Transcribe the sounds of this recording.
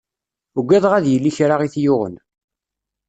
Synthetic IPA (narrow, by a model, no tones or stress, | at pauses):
uɡʷːæðˤʁæðjəlːiçɾaʁiθjʊʁə̰n